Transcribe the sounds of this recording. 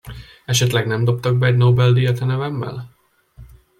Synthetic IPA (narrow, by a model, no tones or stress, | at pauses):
ɛʃɛt̪lɛɡnɛmd̪o̞pt̪ɒɡ̚bɛːɟnobɛld̪ijɒt̪ɛnɛvɛmːɛ̰l